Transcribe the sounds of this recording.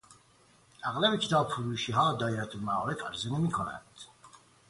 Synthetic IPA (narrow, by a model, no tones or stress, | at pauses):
ʔæɣlæbecʰet̪ʰɒːbfuɾuːʃiːɦɑːd̪ɒːeɾæt̪ʰomæɒːɾefæɾzenemiːkʰonæ̰nd̪̥